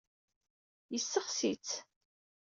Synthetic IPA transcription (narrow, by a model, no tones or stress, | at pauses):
jəsːəχsit͡s